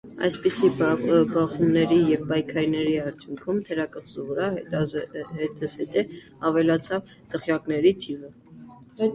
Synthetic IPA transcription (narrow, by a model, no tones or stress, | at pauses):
ɑ̰jspisibɑχumnɛɾijɛvpɑjkʰɑɾinɛɾiɑɾt͡sʰjuŋkʰumt̪ʰɛɾɑkəχsuvəɾɑ | ɦɛt̪əsɛt̪ɛ | ɑvɛlɑt͡sʰɑv | t̪ʰəχjɑknɛɾit̪ʰivə